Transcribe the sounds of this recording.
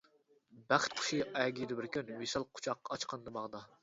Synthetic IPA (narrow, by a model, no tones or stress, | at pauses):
bæχt̪̚qʰʊ̥ʃiɛɡʲid̪ɪbɪɾkʲynwesɑlˠqʰʊ̥t͡ʃʰɑqːɑɑt͡ʃqʰɑnɨd̪ɨbɑʁd̪ɑ